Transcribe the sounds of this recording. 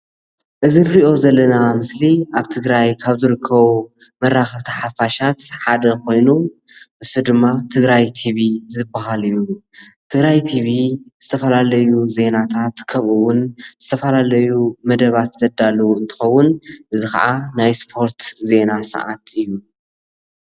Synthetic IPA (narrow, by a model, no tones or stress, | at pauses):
ʔɨzinɾiʔo̞zɐlːɐnamɨsliʔaβt̪ʰɨɡɾajkʰaβzɨɾɨkʰːɐβumɐrːaxɐβt̪ʰaħafaʃat̪ħad̪ɐkʰo̞jnuʔɨsud̪ɨmːat̪ʰɨɡɾajt̪ʰiβizɨbaɦalɨjut̪ʰɨɡɾajt̪ʰiβiz̥ɨt̪ʰɐfɐlalɐjuze̞nat̪ʰat̪kʰɐβʔɨwʊnz̥ɨt̪ʰɐfɐlalɐjumɐd̪ɐβat̪z̥ɐd̪alːɐwuɨnt̪ʰɨ̥xɐwːʊnʔɨzixɐ̰ʕanajspʰo̞ɾt̪ze̞nasɐ̰ʕa̰t̪ɨjːu